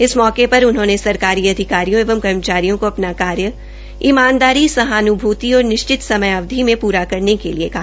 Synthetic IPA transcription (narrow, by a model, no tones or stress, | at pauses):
ɪsmɔːkepɐɾʊnɦõːnesɐɾkaːɾiɐd̪ʱɪkaːɾijõeːʋəmkɐɾmət͡ʃaːɾijõkoɐpnakaːɾjə | imaːnd̪aːɾisɐɦaːnʊbʱuːt̪iɔːɾnɪʃt͡ʃɪt̪sɐməjaʋd̪ʱimẽpuːɾakɐɾnekeliekɐɦaa